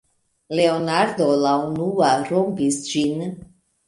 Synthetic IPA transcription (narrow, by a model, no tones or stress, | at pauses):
le̞onaɾd̪o̞launuaɾompisd͡ʒin